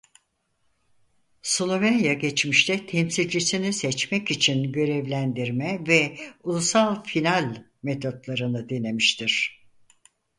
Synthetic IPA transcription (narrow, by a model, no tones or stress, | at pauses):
slˠo̞vænjaɟet͡ʃmiʃt̪ʰɛt̪ʰɛmsilʲd͡ʒisinisɛt͡ʃmɛcit͡ʃʰinɟø̞ɾɛvlʲænd̪iɾmɛvɛulˠusalˠfinalʲ | me̞t̪ʰo̞t̪lˠaɾɯnɯd̪ine̞miʃt̪ʰiɾ̥